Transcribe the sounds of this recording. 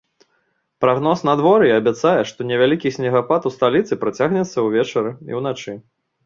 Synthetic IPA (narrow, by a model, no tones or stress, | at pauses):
pɾaɣnɔsnɐd̪vɔɾɨɐbʲat̪sajɛʂt̪ɔnʲɛvʲalʲikʲisʲnʲɛɣapat̪ust̪alʲit̪sɨpɾat͡sʲaɣnʲɛt̪sːɐwvʲɛt͡ʂɐɾɨḭwnat͡ʂɨ